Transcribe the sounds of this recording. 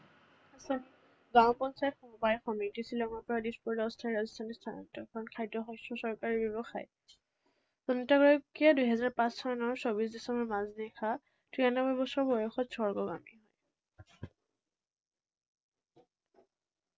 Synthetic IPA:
asɔn | ɡãwpɔnsajɔtxɔmɔbajxɔmitisilɔŋɔpɔɹadispuɹdɔɔstʰaɹazɔstʰanistʰanɔtɔkɔɔnkʰajdɔɦɔjsɹɔsɔɹkaɹibɔβɔxa̰j | zɔnɔtaɡɹɔkʰːijadujɦɛzaɹpãssʰɔnɔɹsobis̬disɔmɔmazdɛkʰa | tʰɹianɔbɔbɔsɔɹbɔjɔxɔtsɔɹɡɔɡa̰miɦɔj

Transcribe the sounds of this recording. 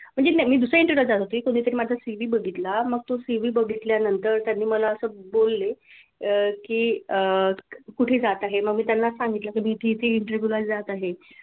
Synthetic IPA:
m̤əɳd͡zenamiːd̪usɾəiɳʈəɾjod͡zat̪ot̪uikoɽ̃iːt̪əɾiːmad͡zʱasiʋiːbəɡʱit̪laməɡ̚t̪osiʋiːbəɡʱit̪ljanənt̪əɾt̪janːiːməlaəsəːbolːe | kiːəkuʈʰeːd͡zat̪aɦeməɡmiːt̪janːasaŋɡit̪lakimiːt̪ʰeit̪ʰeiɳʈəɾbjulad͡zat̪aɦe

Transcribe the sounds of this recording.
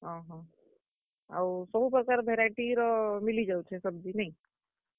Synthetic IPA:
ɦãɦɔ̃ | a̰ʋusəbʱupɾəkaːɾbʱeɾaiʈiɾɔmilid͡ʒaut͡ʃʰesəb̚d͡ʒinaɦĩ

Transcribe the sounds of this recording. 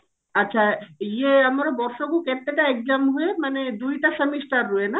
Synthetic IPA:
atːɕʰaijeamaɾobɔɾʃoɡuket̪ːeʈaɛk̚d͡ʑamɦoemaned̪ujʈasəmiʃʈaɾːoena

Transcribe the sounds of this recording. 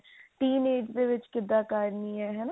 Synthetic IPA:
t̪iːneːd͡ʒd̪eʋɪt͡ʃkɪd̪ːaːkaːɾniːɦɛːɦɛna

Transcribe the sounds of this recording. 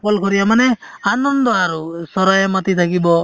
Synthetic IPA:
ɔlkɔɾijamanɛanɔnd̪ɔaɾusɔɾajɔmat̪it̪ʰakibɔ

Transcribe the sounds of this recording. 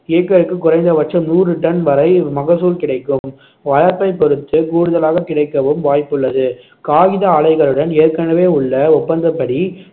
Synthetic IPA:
ɪjɐkːɐɾɯkːɯkːʊrɐɪnd̪ɐʋɐʈ̚t͡ʃːɐmnuːrɯʈɐnʋɐɾɐɪmɐɣɐsuːlkɪɽɐɪkːɯm | ʋɐlɐɾpɐɪpɔɾɯt̪ːɯkuːɽɯðɐlaːɣɐkɪɽɐɪkːɐʋɯmʋaːjpːɯɭːɐðɯ | kaːɣɪðɐaːɭɐɪɣɐɭɯɽɐneːɾkɐnɐʋeːʊɭːɐɔpːɐnd̪ɐpːɐɽi

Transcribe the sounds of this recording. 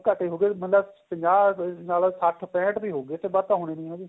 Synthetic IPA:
kəʈeːɦoːɡeːmət̪ləbpəɲd͡ʒaːnaːlasaʈʰpɛ̃ːʈbiːɦoːɡeːt̪eːbəɾt̪ãːɦoːɽ̃eːnĩːɦoːɡeː

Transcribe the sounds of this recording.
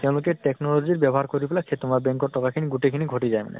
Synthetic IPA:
k̪ɛũlokeʈeknolod͡ʑiɾbɛbɔɦaɾkoɾipelakʰet̪omaɾbɛŋkoʈɔkakʰiniɡuʈekʰiniɡʱoʈid͡ʑaema̰nḛ

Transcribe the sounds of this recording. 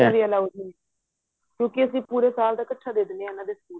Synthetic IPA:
eɾiəlaːudni | kjõːkɪəsĩːpuːɾeːsaːld̪aːkəʈʰːaːd̪eːd̪neːãnãːd̪eːsə̥kuː

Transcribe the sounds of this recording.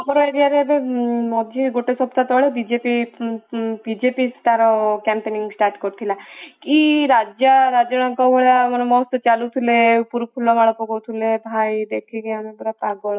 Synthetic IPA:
abɔɾɔeɾijaɾebemɔd̪ʱiɡoʈesɔpt̪at̪ɔɭebid͡ʒepi | bid͡ʒepist̪aɾɔkɛmpeniŋɡsʈaɾʈkɔɾit̪ʰilakiɾad͡ʒaɾad͡ʒɔɽ̃ɔŋkawbeɭamɔnemɔst̪ɔt͡ʃalut̪ʰilepuɾukʰulɔmaɭɔpɔɡɔwt̪ʰilebʱajd̪ekʰiɡeanebeɽapaɡɔɭɔ

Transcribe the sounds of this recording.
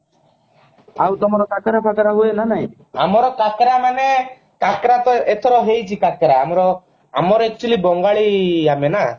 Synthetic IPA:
awt̪ɔmɔɾɔkakɾapʰakɾaɦuenanaɦĩ | a̰mɔɾɔkakɾamane | kakɾat̪ɔet̪ʰɔɾɔɦejt͡ʃʰikakɾaamɔɾɔ | amɔɾɔek̚t͡ʃulibɔŋɡaɭiamena

